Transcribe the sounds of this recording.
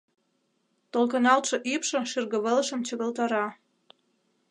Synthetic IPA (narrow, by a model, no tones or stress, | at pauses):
t̪olkɤnɑlt̪ʃɤ̆ʔipʃɤ̆ʃirɣə̆βələʃə̆mt͡ɕə̆ɣə̆lt̪ɑɾɑ